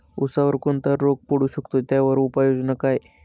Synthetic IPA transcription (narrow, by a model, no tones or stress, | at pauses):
usaʋəɾkont̪əɾːok̚puɽuɕəkt̪ot̪jaʋəɾupajod͡znakaj